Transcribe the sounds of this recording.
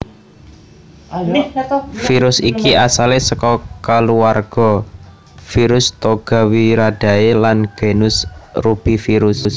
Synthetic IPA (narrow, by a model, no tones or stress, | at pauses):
fiɾʊsikiʔasalesəkɔkaluarɡ̥ɔ̤ | fiɾʊst̪oɡ̥a̤wiɾad̥a̤elanɡ̥e̤nʊsrub̥i̤fiɾʊss